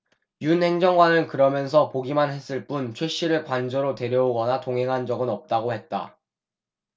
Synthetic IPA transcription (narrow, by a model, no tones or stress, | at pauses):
junhe̞ŋd͡ʑʌŋɡwanɯɭkɯɾʌmjʌnsʰʌpoɡimanɦhe̞s͈ɯɭp͈unt͡ɕʰweɕ͈iɾɯɭkwand͡ʑʌɾote̞ɾjʌoɡʌnatoŋɦe̞ŋɦand͡ʑʌɡɯnʌp̚t͈aɡohe̞t̚t͈a̰